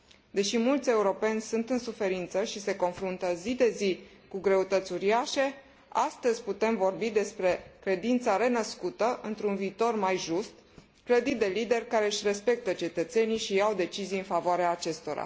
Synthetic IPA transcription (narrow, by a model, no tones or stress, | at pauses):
d̪e̞ʃimult̪sʲe̞uɾo̞pe̞nʲsunt̪ɨnsufe̞ɾint̪səʃise̞ko̞nfɾunt̪əzid̪e̞zi | kuɡɾe̞ut̪ət̪sʲuɾiaʃe̞ | ast̪əzʲput̪e̞mvo̞rbid̪e̞spɾe̞kɾe̞d̪int̪saɾe̞nəskut̪əʔɨnt̪ɾunviːt̪o̞rmajʒust̪ | kləd̪id̪e̞lid̪e̞rʲkaɾe̞ɨʃre̞spe̞k̚t̪ət͡ʃe̞t̪ət̪se̞niʃijawd̪e̞t͡ʃizijɨnfavoaɾeaːt͡ʃe̞st̪o̞ɾa̰